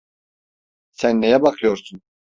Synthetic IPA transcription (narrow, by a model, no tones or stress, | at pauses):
sænːejɛbakʰɯjo̞ɾsun